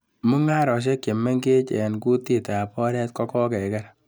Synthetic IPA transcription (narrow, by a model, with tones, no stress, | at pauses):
mu˦ŋa˦ɾɔ˨ʃ̬e˦kːe˨mɛ˦ŋɡe˦t͡ʃɛ˨nku˦ti˦ta˨pɔ˦ɾɛ˦t̚kɔ˦kɔ˦kɛ˨kɛ˦ɾ